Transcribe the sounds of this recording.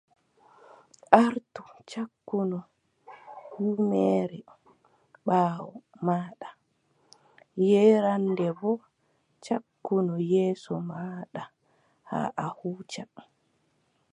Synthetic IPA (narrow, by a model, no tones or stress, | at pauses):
ʔaɾtut͡ʃakːunɔ | huːmɛːɾɛ | ɓaːwɔ | maːɗa | jɛɾandɛbɔ | t͡ʃakːunɔjɛːsɔmaːɗa | ha̰ʔahuːt͡ʃa